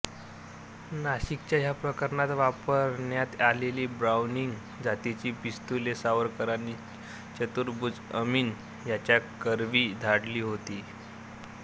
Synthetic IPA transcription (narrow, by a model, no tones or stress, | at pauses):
naɕik̚t͡ɕjaɦjapɾəkəɾɳat̪ʋapəɾɳjat̪aleliːbɾawniŋɡ | d͡zʱat̪it͡ɕiːpist̪ulesaʋəɾkəɾani | t͡ɕət̪uɾbud͡zəmiːn | jat͡ɕjakəɾʋiːd̪ʱaɽliːɦot̪iː